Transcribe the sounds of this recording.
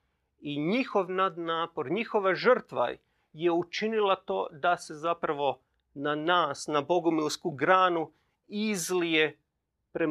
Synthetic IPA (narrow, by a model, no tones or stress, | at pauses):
iɲixo̞ʋnad̪naːpo̞ɾɲixo̞ʋaʒr̩t̪ʋa̰ | je̞ut͡ʃinilˠat̪o̞̰ːd̪ase̞zapɾaʋo̞ | nanaːsnabo̞ɡomilskuɡɾaːnu | izlije̞ | pɾe